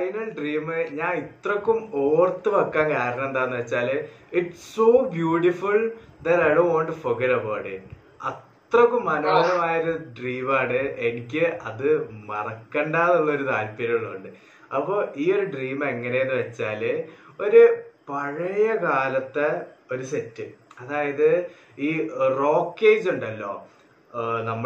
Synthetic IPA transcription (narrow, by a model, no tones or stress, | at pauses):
ɐjnɐlɖriːmɨɲaːnit̪rɐkːumoːrt̪ːɨʋɐkːaːnkaːɾɐnɐmend̪aːnːɨʋɐt͡ɕːaːliʈssoːbjuːʈifuld̪ɐɾɐjonʋaːɳʈːufoɡeɾɐbawʈḭʈ | ɐt̪rɐkːumɐnoːɐðɐmaːjoɾuɖriːmaːɳɨʔe̞nikʲːɨʔɐðɨmɐrɐkːeɳɖaːðuɭːɐoɾut̪aːlpiɾɐɐɭːɐɣoɳɖɨ | ɐpːo̞ːʔiːo̞ɾuɖriːme̞ŋːɐnejonːɨʋɐt͡ɕːaːlo̞ɾupɐɻɐjɐkaːlɐt̪ːeo̞ɾusetːɨɐðaːjɐðɨ | iːro̞ːkːe̞ːd͡ʑuɳɖɐlːo̞ː | nɐmːɐ